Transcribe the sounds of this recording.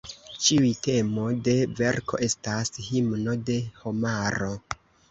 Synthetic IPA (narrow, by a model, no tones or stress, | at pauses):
t͡ʃiujte̞mo̞de̞ve̞ɾkʰo̞̰ʔe̞stashimno̞de̞ho̞maɾo̞